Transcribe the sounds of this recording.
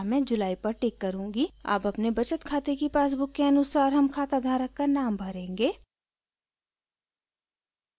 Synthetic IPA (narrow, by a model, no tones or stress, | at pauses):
mɛ̃d͡ʒʊlaːipɐɾʈeːkːɐɾũːŋɡia̰ːpɐpnebɐt͡ʃət̪kʰaːt̪ekepaːs̬bʊkːeɐnʊsaːɾɦɐmkʰaːt̪ad̪ʱaːɾəkːanaːmbʱɐɾẽːŋɡeː